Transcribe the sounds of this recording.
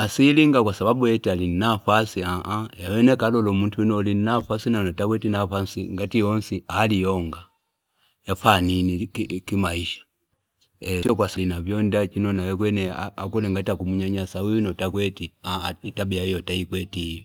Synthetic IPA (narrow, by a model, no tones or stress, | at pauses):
asiliŋɡakwasababujɛtalinnafasiaʔajawɛnɛkalɔlɔmuntuunɔlinnafasinanɔtakwɛtinafansiŋɡatiɔnsialijɔŋɡa | jafaninikimaiʃḁ | ɛsiɔk̬wasalinavjɔndat͡ʃinɔnajɛkwɛnɛaakɛlɛŋɡatiakumuɲaɲasauunɔtakwɛtiaitabiaijɔtaikwɛti